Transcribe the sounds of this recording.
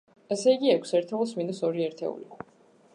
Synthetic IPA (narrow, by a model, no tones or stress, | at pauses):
ɛsɛiɡiɛkʷʰsɛɾt̪ʰɛulˠsmind̪ɔsɔɾiɛɾt̪ʰɛ̰ṵli